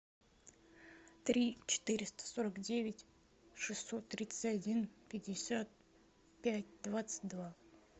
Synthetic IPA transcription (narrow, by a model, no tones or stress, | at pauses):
t̪ɾʲit͡ɕɪ̥t̪ɨɾʲɪst̪ə̥soɾəkdʲevʲɪtʲ | ʂɨsːo̞t̪ːɾʲit̪sɨ̥tʲɐdʲinpʲɪdʲɪsʲat̪̚ | pʲætʲd̪vat̪sɨ̥t̚ʲd̪va